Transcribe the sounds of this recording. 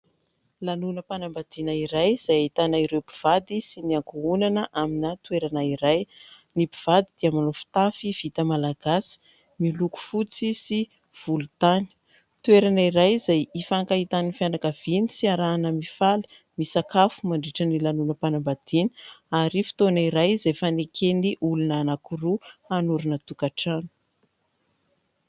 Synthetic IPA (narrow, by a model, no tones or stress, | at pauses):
lanunəpanambad̪̥inaiɾajz̥ajait̪anaiɾewpi̥v̥ad̪isiniaŋkuunanəʔaminat̪ueɾanaiɾaj | nipiv̥ad̪id̪̥iamanofi̥t̪afiv̥it̪əmalaɡ̥asi̥ | miluku̥fut͡sisi | v̥ulut̪ani̥ | t̪ueɾanaiɾajzajifaŋkaɦit̪anifjanakav̥inisiaɾanəmifali̥ | misakafumaɳɖ͡ʐiʈ͡ʂənilanunəpanambad̪̥inə̥aɾifi̥t̪oniɾajzajfanekʰeniʔulunanakuruanuɾunət̪ukaʈ͡ʂanu̥